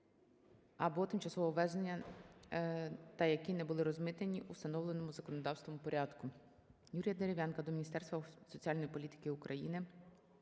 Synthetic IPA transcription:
ɐbɔt̪ɪmt͡ʃɐsɔʋɔʋɛznenʲːɐ | t̪ɐjɐkʲinɛbʊlˠɪɾɔzmɪt̪enʲiʔust̪ɐnɔwlˠenɔmʊzɐkɔnɔd̪ɑwst̪ʋɔmʊpɔɾʲɑd̪kʊ | juɾʲijɐd̪eɾʲiʋʲjɑnkɐd̪ɔmʲinʲist̪ɛrst̪ʋɐsɔt͡sʲiɑlʲnɔjipɔlʲit̪ɪ̥kɪʊkɾʔɐjinɪ

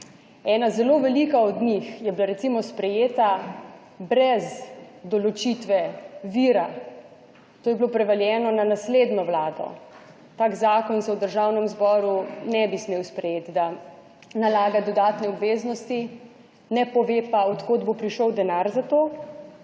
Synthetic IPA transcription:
ɛːnazɛloʋɛlikaɔd̪ɲixjɛbilaɾɛt̪simɔspɾɛjeːt̪a | bɾɛzd̪ɔlɔt͡ʃit̪ʋɛʋiːɾa | t̪oːjɛblopɾɛʋaljɛːnɔnanasled̪nɔʋlaːd̪ɔ̰ | t̪aːkzaːkɔnsɛwd̪əɾʒawnɛmzbɔːɾunɛbismeːwspɾɛjet̪d̪a | nalaːɡad̪ɔd̪aːt̪nɛɔbʋeːznɔst̪i | nɛpɔʋepaɔt̪koːd̪bopɾiʃɔwd̪ɛnaɾzat̪oː

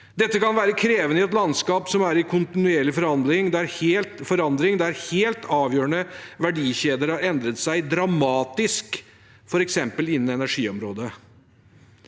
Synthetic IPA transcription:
d̪ɛt̪ːəkɑnʋæːɾəkʰɾeːʋənəɪɛt̪lɑnskɑːpsɔmæɾɪkʰʊnt̪ɪnʉeːɭɪfɔɾhɑnd̪lɪŋd̪ɛæɾheːlt̪fɔɾɑnd̪ɾɪŋd̪ɛæɾheːlt̪ɑːʋjøːɾəɳəʋæɖiːçeːd̪əɾhɑɾɛnd̪ɾət̪sæɪd̪ɾɑmɑːt̪ɪsk | fɔɾɛksɛmpəlɪnːnɛnæʂiːɔmɾoːd̪ə

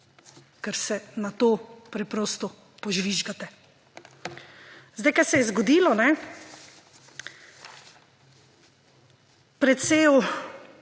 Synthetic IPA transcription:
kɛɾsɛnat̪oːpɾɛpɾɔːst̪ɔ | pɔʒʋiʒɡat̪ɛ | zd̪ajkasɛjɛzɡɔd̪iːlɔnɛ | pɾɛt̪seːw

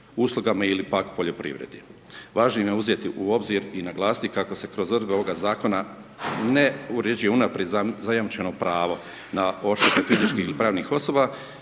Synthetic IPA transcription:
uːslˠuɡamailipakpoʎo̞pɾḭʋɾḛd̪ji | ʋaːʒnoimjeuzje̞t̪iʔuo̞bziɾinaɡlˠaːsi̥t̪ikako̞se̞kɾo̞zɾd̪beoʋoɡazaːko̞na | neuɾed͡ʒujeunapɾjed̪zajamt͡ʃe̞nopɾaːʋo̞ | nao̞ʃt̪et̪efizit͡ʃkiːhilipɾaːʋniːxo̞so̞ːba

